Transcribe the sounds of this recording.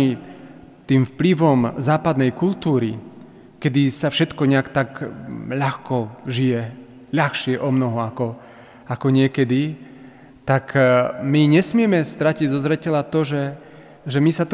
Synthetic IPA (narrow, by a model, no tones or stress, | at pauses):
i | t̪iːmfpliʋɔmzaːpad̪nɛjkult̪uːɾi | kɛd̪isafʃɛt̪kɔɲɛakt̪akʎaxkɔʒijɛ | ʎaxʃɪɛʔɔmnɔɦɔakɔ | akɔɲɪɛkɛd̪i | t̪akmiɲɛsmɪɛmɛst̪ɾaciɟzɔzɾɛcɛlat̪ɔʒɛ | ʒɛmisat̪